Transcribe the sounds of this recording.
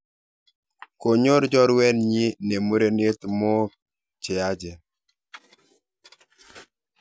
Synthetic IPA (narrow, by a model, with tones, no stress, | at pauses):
ko˨ɲo˦ɾd͡ʒɔ˦ɾwɛ˦nɲi˦ne˨mu˦ɾe˦ne˦t̪mɔ˦ | t͡ʃɪ˨a˦d͡ʒɛ˨